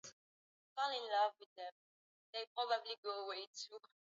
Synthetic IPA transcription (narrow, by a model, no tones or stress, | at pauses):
stalɪ̃nlʌvwiðɛ̃m | deɪpɹɔbabliɡoəwetʰu